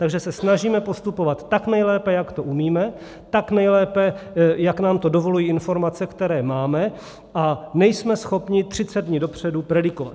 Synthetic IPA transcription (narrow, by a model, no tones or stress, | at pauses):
t̪aɡʒɛsɛsnaʒiːmɛpo̞st̪upo̞vat̪ːaknɛjlɛːpɛjakt̪o̞ʔumiːmɛ | t̪aknɛjlɛːpɛjaknaːmt̪o̞dovo̞lujiːɪnfo̞ɾmat͡sɛkt̪ɛɾɛːmaːmɛ | ʔanɛjsmɛsxo̞pɲɪt̪r̥ɪt͡sɛd̪̚dɲiːdopr̝̥ɛdupɾɛdɪkova̰t̪